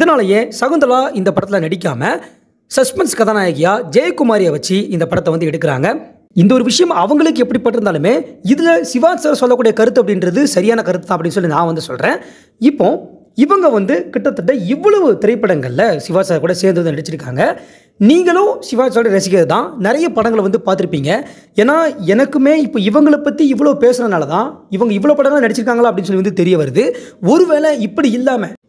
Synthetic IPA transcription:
ɪðɐnaːlɐjẽːsɐɣɯnd̪ɐlaːɪnd̪ɐpɐɽɐt̪ːɪlɐnɐɽɪk̬ʲːa̰ːmɐ | sɐspɛnskɐðanaːjɐɣɪjaːd͡ʒɛjɐkʊmaːɾijɐʋɐt͡ʃːiɪnd̪ɐpɐɽɐt̪ːɐʋɐnd̪ɯɛɽɯkːɪɾa̰ːŋɡɐ | ɪnd̪ɐɔɾɯʋɪʂɐjɐmɐʋɐŋɡɐɭɯkːɯɛpːɐɽipːaːʈːɪɾɯnd̪aːlɯmeːɪðɯlɐsɪʋaːsaːɾsɔlːɐkːuːɽɐjɐkɐɾɯt̪ːɯɐpːɐɽɪnɾɐðɯsɐɾɪjaːnɐkɐɾɯt̪ːɯt̪ãːɐpːɐɽɪnːɯsɔlːinãːʋɐnd̪ɯsɔ̰lrɾẽː | ɪpːõː | ɪʋɐŋɡɐʋɐnd̪ɯkɪʈːɐt̪ːɐʈːɐɪʋːɐɭɐʋɯt̪ɪɾɐɪpːɐɽɐŋɡɐɭlɐsɪʋaːsaːɾkuːɽɐseːɾnd̪ɯʋɐðɯnɐɽɪt͡ʃːɪɾɯkːa̰ːŋɡɐ | niːŋɡɐɭõːsɪʋaːsaːɾɐɾɛsɪkːɐðɯt̪ãːnɪɾɐjɐpɐɽɐŋɡɐɭʋɐnd̪ɯpaːɾt̪ɪɾɯpːiːŋɡɐ | eːnaːɛnɐkːɯmeːɪpːoːɪʋɐŋɡɐɭɛpːɐt̪ːiɪʋːɐɭɔʋpeːsɐɾɐnaːlɐt̪ãːɪʋɐŋɡɐɪʋːɐɭoːpɐɽɐŋɡɐlːnɐɽɪt͡ʃːɪɾɯkːaːŋɡɐlaːpːɐɽɪnːɯs̬ɔlːiʋɐnd̪ɯt̪ɛɾɪjɐʋɐɾɐðɯɔɾɯʋeːlɛɪpːɐɽiɪlːaːmɛ

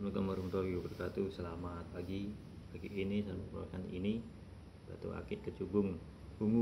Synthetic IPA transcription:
mukəməɾuŋt̪ɔiubərkat̪usəlamat̪̚paɡi | paɡiːnisaaməpula̰kanḭni | b̥a̰t̪ṵa̰kɪt̪̚kət͡ʃuɡʊŋ | uŋu

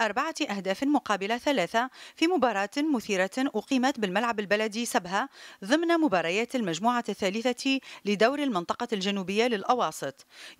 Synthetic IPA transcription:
ʔɑɾˤbaʕaʔæhd̪æːfɪnmʊqɑːbɪlaθælæːθafimʊbɑːɾˤɑːt̪mʊθiːɾaʔʊqiːmat̪bɪlmalʕabalbalæd̪isabɦaðˤɨmnmʊbɑːɾˤɑjaːt̪almæʒmuːʕaθːæːlɪθalɪd̪awɾalmɪnt̪ˤɑ̥qɑlʒænuːbɪjːalɪlʔɑwɑːsˤɨt̪ˤ

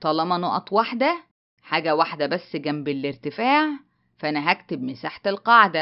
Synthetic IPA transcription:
t̪ˤɑlɑmɑnoʔɑ̰t̪ˤwaħd̪æ | ħaːɡæwaħd̪æbæsːɡæmbelːeɾt̪ɪfaːʕ | fæʔænæɦækt̪ebmesaːħt̪elqɑʕed̪æ

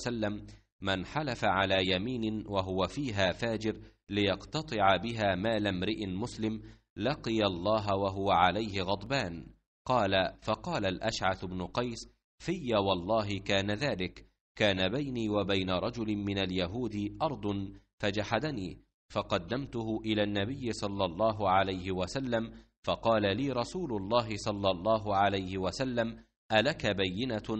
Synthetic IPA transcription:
salːamː | anħalafaʕalaːjamiːnɪwaɦʊwafiːɦaːfaːd͡ʒɪɾlɪjɑqt̪ɑt̪ˤɨʕabɪɦaːmaːlamɾɪʔɪnmʊslɪm | lɑqɨjalˤːɑːɦawaɦʊwaʕalajhɪɣɑd̪ˤbaːn | qɑːlafɑqɑːlalʔaʃʕaθʊbnʊqɑjs | fɪjːawɑlˤːɑːɦɪkaːnaðaːlɪk | kaːnabajniːwabajnaɾˤɑd͡ʒʊlɪmɪnaljaɦuːd̪ɪʔɑɾˤd̪ˤʊnfad͡ʒaħad̪niː | fɑqɑd̪ːamt̪ʊɦʊʔɪlaːnːabɪjːɪsˤɑlːɑlˤːɑːɦʊʕalajɦɪwasalːam | fɑqɑːlaliːɾˤɑsuːlʊlˤːɑːɦɪsˤɑlːɑlˤːɑːɦʊʕalajhɪwasalːam | ʔalakabajːɪna

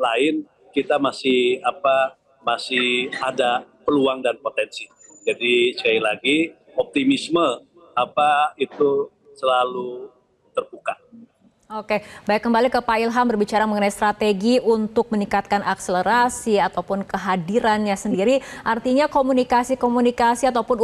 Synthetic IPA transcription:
laɪn | kit̪amasɪhapa | masɪhada | pəluaŋdanpot̪ɛnsi | d͡ʒadisə̥kailaɡi | ɔp̚t̪imismə | apait̪u | səlalu | t̪ərbuka | okebaikːəmbalikəpailɦambərbit͡ʃaɾaməŋənaist̪ɾat̪eɡiunt̪ʊk̚mənikat̪̚kanʔaksələɾasiat̪awpʊnkəɦadiɾanɲasəndiɾiʔart̪iɲakomunikasikomunikasiat̪awpʊn

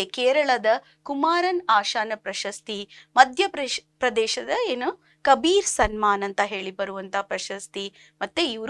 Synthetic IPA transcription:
ekeːɾɐɭɐd̪ɐ | kumaːɾɐnaːʃaːnɐpɾɐʃɐst̪imɐd̪ʱjɐpɐpɾɐd̪ɛːʃɐd̪ɐeːnu | kɐbiːɾsɐnmaːnɐnt̪ɐɦe̞ːɭibɐɾuʋɐnt̪ɐɦpɾɐʃɐst̪i | mɐt̪ːeiʋɐɾ

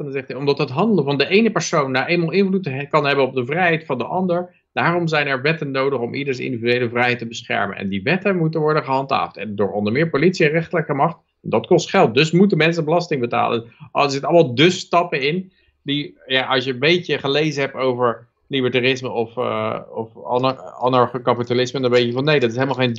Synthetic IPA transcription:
nzɛχtɛjɔmdɑtɦətɦɑndələnvɑndəʔejnəpɛɹsownːaːɹʔejnmalˠɪnvlutkɑnɦɛbənɔb̚dəvrɛjɦɛjtfɑndəʔɑ̰ndəɹ | d̥aːrɔmzɛjnɛɹʋɛtənːowdəχɔmʔidəɹsɪ̰ndividyejləvrɛjɦɛjtəbəsχɛ̰ɹmə̰nɛ̰ndiʋɛtəmutənʋɔɹdəχəɦɑntɦa̰ːftɛ̰ndʊːɹɔ̰ndəmɪːɹpolitsiɛ̃rɛχtələkəmɑχt | ndɑtkɔstχɛlˠt̚dɵsmutəmɛns̬ənbəlɑstɪŋbəta̰ːlʔə̰nz̥ɪtəɑlˠmɑlˠdɵstɑpənɪn | dijaʔɑsjəənbejcəχəlejzənɦɛp̚towvəɹ | libətarɪsməɔfɔfɑnɑɹχokɑpitalɪsmədɑnbɛjjəvɑnːejdɑtɪs̬elˠmalˠχejn

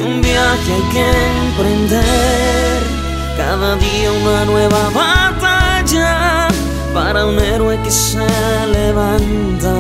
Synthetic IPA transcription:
umbjaxeajkempɾend̪e | ɾ | kaðaðiaunanweβaβat̪aʝa | paɾauneɾwekes | e | leβan | t̪a

